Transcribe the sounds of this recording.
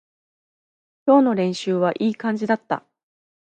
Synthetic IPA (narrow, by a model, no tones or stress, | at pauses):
kʲo̞ːno̞ɾẽ̞ɰ̃ɕɨːβaʔiːkãɲ̟d͡ʑid̪at̪ːa̰